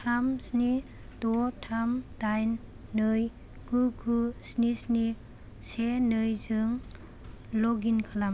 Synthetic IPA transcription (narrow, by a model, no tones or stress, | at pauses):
tʰamsni | dɔtʰamdajnː | ɯj | ɡ̥uɡusnisni | senɯjzɯŋ | lɔɡinkʰalam